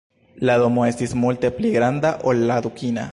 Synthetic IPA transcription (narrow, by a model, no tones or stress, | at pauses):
laðomoest̪ismult̪ipliɣɾand̪aʔolaðukina̰